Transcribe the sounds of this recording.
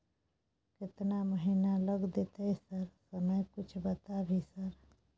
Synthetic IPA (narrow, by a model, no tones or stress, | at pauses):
kɪt̪naməɦinaləɡd̪et̪ejsəɾsəməjkʊt͡ʃʰbət̪abʱisəɾ